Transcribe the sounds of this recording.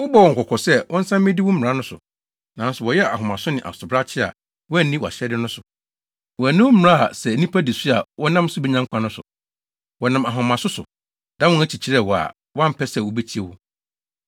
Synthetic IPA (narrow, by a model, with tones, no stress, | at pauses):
wʊ˦bɔ˦˨wɔ̃˨ŋ˨kʰɔ˨kʰɔ˨sɛ˦˨wʔɔ̃˦n̩˦sã˦m˦mɪ̃˦dɪ˦wʊ˦m˦˨ɾa˦nʊ̃˦sʊ̰˨ | nã˨˦n˦sʊ˨wɔ˨jɛ˦a̰˨ɦʊ̃˨mã˨sʊ˦nɪ̃˨ʔa̰˨sʊ˨bɾa˦t͡ɕʰɪ˦a̰˨ | wɔ˦æ˦˨nĩ˦wɔ˨a̰˨ɕɛ˦dɪ˦nʊ̃˦sʊ˨ | wɔ˨æ˨nɪ̃˦wm̩˦m̩˨ɾa˦a̰˨sɛ˨nĩ˦pʰa˦di˨sʊ˦a˨wɔ˦nã˦m˦sʊ˦bɛ˦ɲã˦ŋkʷʰã˦nʊ̃˦sʊ̰˨ | wɔ˨nã˨ma˨ɦʊ̃˨mã˨sʊ˦sʊ̰˨ | d̥ã˦wʊ̃˦æ˦t͡ɕʰi˨t͡ɕʰi˦ɾɛ˦˨wɔ˨a̰˨ | wã˦m̩˨pʰɛ˦sɛ˨wɔ˨be˦t͡ɕʰi˦e˦˨wʊ˦